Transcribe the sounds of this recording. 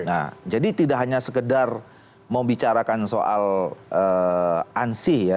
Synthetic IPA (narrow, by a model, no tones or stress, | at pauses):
na̰d͡ʒadit̪idaʔɦaɲasəkədar | məbit͡ʃaɾakansoʔa̰lʔə | ansɪhja